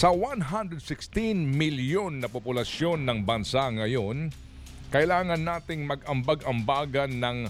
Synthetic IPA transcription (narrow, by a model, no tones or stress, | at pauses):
sɐwanɦand̪ɾɛd̪̚sɪkst̪inmɪljonːɐpopʊlɐsjo̞nːɐŋbɐnsaŋɐjo̞n | kɐʔɪlaːŋɐnːaːt̪ɪŋmɐɡɐmbaɡʔɐmbaːɡɐnːɐŋ